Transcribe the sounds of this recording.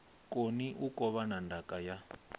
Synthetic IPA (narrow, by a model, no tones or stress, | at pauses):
kʼoniʔukɔβanandʱakʼaja